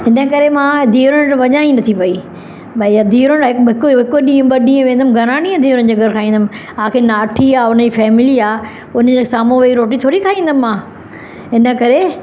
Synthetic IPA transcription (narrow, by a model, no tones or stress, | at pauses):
ɦɪnə̆kɐɾemãːd̪ʱiːɾəɽ̃ʈʋɐɲaːĩnɐt̪ʰipɐi | ɓɐd̪ʱiːɾʊɽɦɪkɦɪkɦɪkoɗĩːə̃ɓɐɗĩːə̃ʋẽːnd̪əmɡʱɐɾaːnĩːə̃d̪ʱiːɾʊn̆d͡ʑeːɡʱɐɾkʰaːĩːnd̪əm̆ | ãːkʰeːnaːʈʰiaːʊnd͡ʑiːfɛːmɪliaː | ʊnəd͡ʑeːsaːmoʋeiɾoːʈ̬it̪ʰoːɾikʰaːĩːnd̪əmːãː | ɦɪnə̆kɐɾe